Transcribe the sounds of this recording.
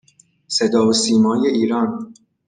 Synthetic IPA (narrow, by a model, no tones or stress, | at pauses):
se̞d̪ɒːosiːmɒːjeʔiːɾɒːn